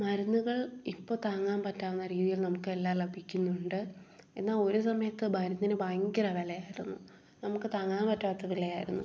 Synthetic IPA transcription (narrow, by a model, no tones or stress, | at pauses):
mɐɾunːuɣɐɭipːo̞ːt̪aːŋːaːmpɐtːaːunːɐɾiːðijilnɐmukːɨe̞lːaːlɐbʱikʲːunːuɳɖɨ | e̞̰nːaːlo̞ɾusɐmɐjɐt̪ːɨmɐɾunːinɨbaːŋɡirɐʋelɐjaːjiɾunːṵ | nɐmukːɨt̪aːŋːaːmpɐtːaːt̪ːuɣɐɭilejaːjiɾunːu